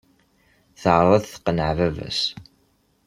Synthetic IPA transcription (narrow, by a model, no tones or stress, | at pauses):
θəʕɾˤɑðθə̥qːnəʕvævæ̰s